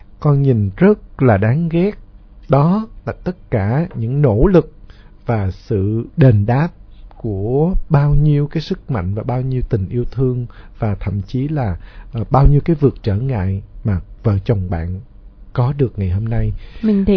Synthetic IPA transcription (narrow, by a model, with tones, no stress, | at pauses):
kɔ˧nɲi˨˩nzə˦˥t̚laː˨˩ɗaː˨˦ŋɣɛ˦˥t̚ɗɔ˨˦laː˨˩t̪ə˦˥t̚kaː˧˩ɲɨ̰˧˥ŋno̰˧˥lɨ˨˩k̚ | vaː˨˩sɨ̰˧˨ɗe˨˩nɗaː˦˥p̚ku˧˩əɓaː˧wɲi˧əwkaː˨˦jsɨ˦˥k̚ma̰˧˨jŋ̟vaː˨˩ɓaː˧wɲi˧əwt̪ï˨˩ŋ̟ʔi˧əwt̪ʰɨ˧əŋvaː˨˩t̪ʰə̰˧˨mt͡ɕi˨˦laː˨˩ɓaː˧wɲi˧əwkaː˨˦jvɨ˨˩ək̚t͡ɕəː˧˩ŋa̰ː˧˨jmaː˨˩və̰ː˧˨t͡ɕə˨˩wŋ͡mɓa̰ː˧˨n | kɔ˨˦ɗɨ˨˩ək̚ŋa˨˩jho˧mna˧jmi˨˩ŋ˨